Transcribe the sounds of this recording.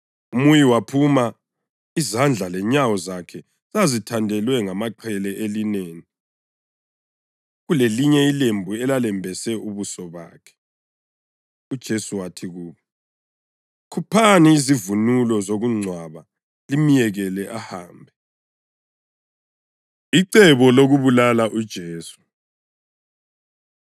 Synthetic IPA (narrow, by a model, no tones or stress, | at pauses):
umujiwapʰuma | izand͡ɮʱalɛɲawɔzakʰɛ | zazitʰandʱɛlwɛŋamaǃʰɛlɛʔelineːni | ɣuleliɲɛilembʱuɛlalɛmbʱɛsɛʔuβusɔβa̰ːkʰɛ̥ | ud̥ʒ̥ʱesuwatʰiɣuːβɔ | kʰupʰaniizivunulɔzoɣuŋ͡ǀʱwaβa | limijɛɣɛlɛʔaha̰ːmbʱɛ | iǀɛβɔloɣuβulalaʔud̥ʒ̥ʱeːsu̥